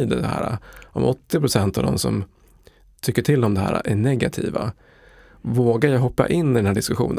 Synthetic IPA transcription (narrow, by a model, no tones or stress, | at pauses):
d̪əd̪ɛhæ̰ːɾaʔɔmʔɔt̪ːɪpɾʊsɛnt̪avd̪ɔ̰msɔ̰m | t̪ʰʏkːəʈʰɪld̪ɔmd̪ɛɦæ̰ːɾa̰ʔæɳɛɡat̪ʰḭːva | voːɡaɾjaɦɔpːa̰ʔɪnːɪd̪ɛnhæːɖɪskɵɧṵːnə